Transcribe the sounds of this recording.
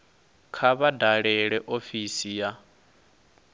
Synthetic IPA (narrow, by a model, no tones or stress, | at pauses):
kʰaβadaɺɛɺɛʔofisija